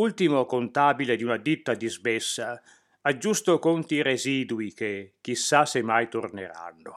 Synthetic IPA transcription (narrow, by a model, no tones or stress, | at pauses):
ult̪imokont̪aːbiled̪iunad̪it̪ːad̪izbɛsːa | ad͡ʒːust̪okont̪iɾeziːd̪uikek̟ːisːasemajt̪ornḛɾa̰nːo